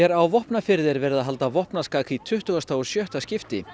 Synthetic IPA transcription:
ɛɾawvɔhpnafɪɾðɪɾvɛːɾɪðaɦalt̪avɔhpnaskaːkʰit̪ʰʏht̪ʏɣast̪aːwɔ̥sjœht̪ascɪft̪ɪ

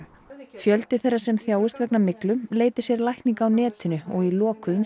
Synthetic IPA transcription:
fjœlt̪ɪθejrːasɛmθjaːwʏst̪vɛknamɪklʏmleːjt̪ɪ̥ɾ̥sjɛɾlajhkniŋkawnɛːt̪ʏnʏɔɣilɔːkʏm

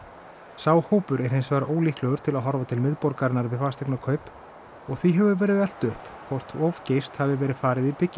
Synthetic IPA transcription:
saːwhoːwpʏɾɛɾ̥hensvaɾoːwliːhklɛɣʏɾ̥t̪ʰɪlaðɦɔɾvat̪ʰɪlmɪðpɔɾkaɾɪnːaɾvɪfaːst̪ɛknakʰœːɥp | ɔɣθiɦɛvʏvɛːɾɪðɛl̥t̪ʏhpkʰvɔr̥t̪ɔv̥cejst̪havɪvɛːɾɪðfaːɾɪðipɪcːɪ

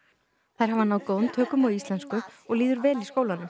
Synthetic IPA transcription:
θajɾ̥ɦavanːawðkownt̪ʰœːkʏmawðist̪lɛnskʏɔɣliːðʏɾvɛːliskoːwlanʏm

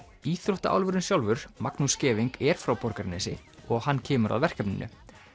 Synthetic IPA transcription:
iːθɾoht̪aʔa̰wlvʏɾʏnsjawlvʏɾ̥maknuscɛːviŋkɛɾ̥fɾawpɔɾkaɾnɛsɪ | ɔɣɦanːcʰɛːmʏɾʔa̰ðvɛr̥cɛpnɪnːʔʏ̰

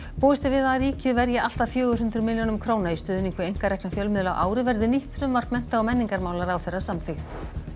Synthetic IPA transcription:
poːɪst̪ɪvɪðaɾiːcɪðvɛɾjaʔal̥t̪aðfjœːɣʏ̥ɦʏnt̪ɾʏmɪljownʏmkʰɾoːwnaist̪œːðʏniŋkvʏejŋ̥kaɾrɛhknafjœlmɪðlawʔaːwɾɪvɛɾðɪniht̪fɾʏmvar̥t̪mɛn̥t̪aɔmɛnːiŋkaɾmaːwlaɾawθɛjrːasamfɪxt̪

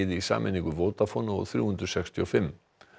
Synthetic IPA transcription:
ðɪisa̰ːmʔɪniŋkʏvoːwt̪afɔnʊ̰θɾjṵːhʏnt̪ɾʏ̥sɛkst̪ʰiɔfɪmː

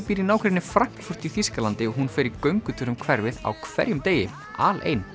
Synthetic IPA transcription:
piːɾinaːwkʰɾɛtnɪfɾaŋ̥kfʏr̥t̪iθiskalant̪ɪɔɦunfɪɾɪɾkœɥŋkʏt̪ʰʏɾʏmkʰvɛɾvɪða̰wkʰvɛ̰ɾjʏmt̪eːjɪ | a̰ːlḛjn

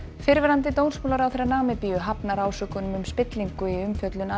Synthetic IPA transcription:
fɪɾvɛɾant̪̬ɪt̪ownsmoːlaɾawθeɾanaːmɪpiːjʏɦapnaɾaːwsœːkʏnʏmʏmspɪt̪liŋkʏiʏmfjœt̪lʏna

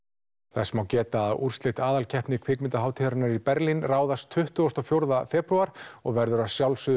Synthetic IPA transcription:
θɛsmawcɛːt̪aːðṵr̥sleht̪aːðalcʰɛhpnɪkʰv̥ɪkmɪnt̪aɦaːwt̪ʰiɾanaɾipɛɾlinraːwðast̪ʰʏht̪ʏɣɔst̪ɔfjowɾðafɛːpɾuaɾ̥ɔ̰ɣvɛɾðʏɾaðsjawlsʏ

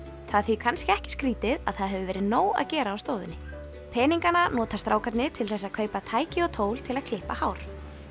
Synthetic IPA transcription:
θaðθvikʰanscɪɛhcɪ̥skɾiːt̪ɪða̰ðθaðɦɛvʏvɛːɾɪðnoːwa̰ðcɛːɾaːwst̪oːðʏ̰nːɪ | pʰɛːniŋkananɔːt̪ast̪ɾaːwkʰat̪nɪt̪ʰɪlθɛsːaðkʰœːɥpat̪ʰaːjcɪɔɣt̪ʰoːwl̥t̪ʰɪlað̥kʰlɪhpahaːwɾ̥

